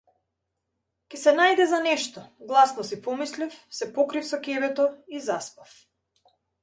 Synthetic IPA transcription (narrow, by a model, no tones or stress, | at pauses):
kʲɛsɛnajd̪ɛzanɛʃt̪ɔɡlˠasnɔsipɔmislifsɛpɔkɾifsɔkɛvɛt̪ɔizaspaf